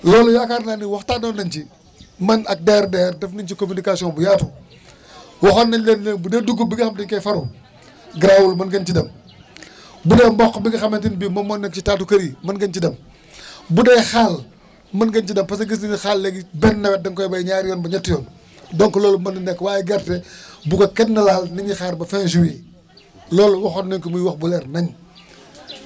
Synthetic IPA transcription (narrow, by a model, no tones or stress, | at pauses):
lɔːlujakaɾnaniwɐxtaːdɔnnɐnt͡ʃi | mɐnɐk̚dɛːɾdɛːrdɐfnɐnt͡ʃikomynikaːsijɔ̃nbujatu | wɔxɐnːɐnlenlenbudeːduɡubiɡixɐmtiɲkɐjfɐɾu | ɡɾawulmɐnɡɐnt͡ʃidɐm | budɛmbɔxbiɡixɐmentinbimɐmɔːnːɛk̚t͡ʃitaːtukɐɾimɐnɡɐnt͡ʃidɐm | budɛjxaːl | mɐnɡɐnt͡ʃidɐmpɐs̬ɐɡis̬ninixalːɛɡibɛnːɐwɛt̚dɐŋkɔjbɐjɲaːɾijɔːnbɐɲɐtːijɔːn | dɔŋkɔlɔːlmɐndinɛkːwaːjiɡɐɾtɛbukɐkɛdnɐlaːlniɲixaːɾbɐfɛnʃ̬uwiː | lɔːluwɐxɔtnɐɲkumujwɐxbulɛːrnɐɲ